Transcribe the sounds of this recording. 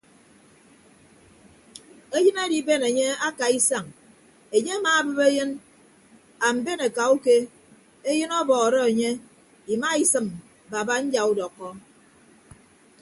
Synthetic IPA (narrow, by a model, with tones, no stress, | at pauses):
e˦jɨ˦ne˦di˦be˦ne˨ɲe˦a˦ka˨i˦sa˨ŋ | e˨ɲe˦a˦maː˨˦˨bɨ˦βe˦jɨ˦n | a˨m̩˨be˦ne˨ka˨u˦ke˦ | e˦jɨ˦nɔ˦bɔː˨ɣɾɔ˦e˨ɲe˦ | i˨ma˦i˨sɨ˨m | ba˨ba˦n̩˦d͡ʒa˨u˦dɔ˨kːɔ˦